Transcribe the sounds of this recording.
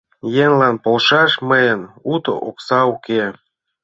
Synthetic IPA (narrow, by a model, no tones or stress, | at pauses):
jenlɑnpolʃɑʃməjənut̪o̰ʔoksɑuke